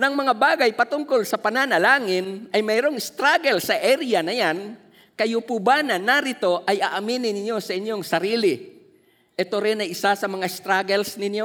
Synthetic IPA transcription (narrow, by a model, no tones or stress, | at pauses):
nɐŋmɐŋabaːɡɐjpɐt̪ʊŋkolsɐpɐnanɐlaːŋɪnʔɐjmɛːɾoŋɪst̪ɾaɡɛlsɐʔɛɾɪjɐnɐjan | kɐjʊpubanɐnɐɾɪt̪o̞ʔɐjʔaʔɐminɪnɪɲjo̞sɐʔɪnjoŋsɐɾiːlɪ | ʔɛt̪oɾɪnɐjɪsasɐmɐŋaɪst̪ɾaɡɛlsnɪnjo̞